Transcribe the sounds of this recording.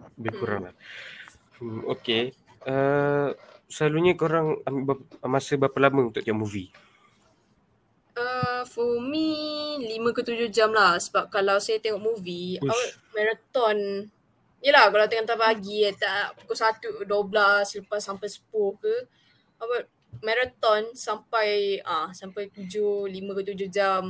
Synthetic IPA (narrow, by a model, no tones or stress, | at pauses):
bakuɾa̰ŋla | əmo̰ke | ə | səlaluɲəkoɾaŋabamasəbapalaməunt̪ʊʔt̪iɔʔmuvi | əfɔmilimə̃kət̪ud͡ʒʊhd͡ʒamlahsəbap̚kalawsajat̪ɛŋɔʔmuviawaʔ̚mɛ̃ɾat̪ɔn | ijəlahkalawt̪ɛŋɔʔt̪abaɡiət̪aʔpukɔsat̪udoblasələpasːampajsə̥pʊhkə | awaʔ̚ | mɛɾat̪ɔnsampajãsampajk̪ud͡ʒulimə̃kət̪̬ud͡ʒʊhd͡ʒam